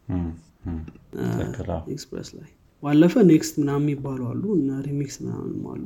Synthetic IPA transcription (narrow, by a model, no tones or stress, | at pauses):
ekspɾḛsla̰j | balːəfənekst̪mɨnamːjɪbːalwalːuɨnːaɾimiksmɨna̰m̰nɨma̰lːu